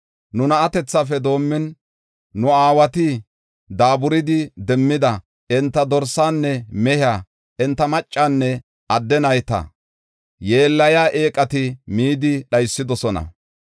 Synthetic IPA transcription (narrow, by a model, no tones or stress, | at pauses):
nʊnɐːt̪ɛt͡sːafɛd̪o̞ːmːɪnː | ʊaːwɐt̪ɪ | d̪aːbʊɾɪd̪ɪd̪ɛmːɪd̪ɐ | ɛnt̪ːɐd̪ɔɾsaːnːɛmɛhɪaː | ɛnt̪ːɐmɐt͡ʃʼːaːnːɛ | ɐd̪ːɛnɐjt̪ɐ̰ | je̞ːlːɐjaːʔe̞ːkʼɐt̪ɪmiːd̪ɪɗɐjsːɪd̪ɔsɔnɐ̰